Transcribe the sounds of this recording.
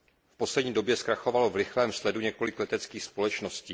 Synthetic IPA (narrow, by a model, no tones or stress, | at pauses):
fpo̞slɛdɲiːdo̞bjɛskɾaxo̞valovɾɪxlɛːmslɛduɲɛko̞lɪklɛt̪ɛt͡skiːxspo̞lɛt͡ʃnosciː